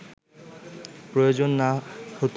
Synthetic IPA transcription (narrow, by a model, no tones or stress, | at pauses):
pɾojod͡ʑonːahot̪